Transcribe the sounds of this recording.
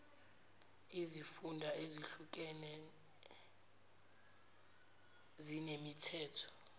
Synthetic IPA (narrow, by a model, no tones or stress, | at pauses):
izifundʱaeziɬuk̬ʼɛnɛ | zinemitʰɛːtʰɔ̥